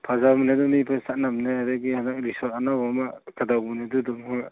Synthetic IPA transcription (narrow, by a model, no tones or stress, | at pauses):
pʰazamnedɔmipʰasat̚namnɯhadaɡihanak̚ɾisɔtanawɔmakadamunedudɔŋhɔ